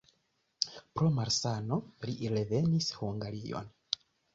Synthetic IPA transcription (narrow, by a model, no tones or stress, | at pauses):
pɾo̞maɾsano̞liɾe̞ve̞nishuŋɡaɾio̰n